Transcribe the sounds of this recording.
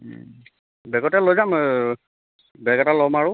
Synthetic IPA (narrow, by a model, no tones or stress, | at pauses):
bɛɡɔtɛlojzam | bɛɡɛtalɔmaɹʊ